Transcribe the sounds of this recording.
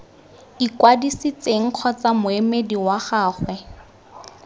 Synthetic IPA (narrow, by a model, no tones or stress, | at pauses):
ikwadisit͡seŋ̩q͡χʰɔt͡samʊemediwaχaːχwɛ